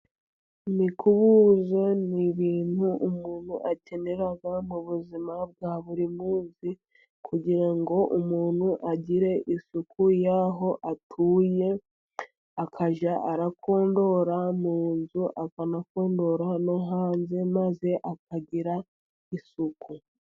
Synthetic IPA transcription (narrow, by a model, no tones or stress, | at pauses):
nikuβuzo̞niβiːn̥huʔumuːn̤̥huʔace̞ne̞ɾaɡamuβuzimab̚ɡaːβuɾimuːnzi | kʰuɟiɾaŋɡo̞ʔumuːnhuʔaɟiɾe̞ʔisukujaːɦo̞ʔatʰuːje̞ | akʰaʒaʔaɾakʰo̞ːndo̞ɾamuːnzuʔakanako̞ːndo̞ɾanoɦaːnze̞maze̞ʔakaɟiɾa | isukʰu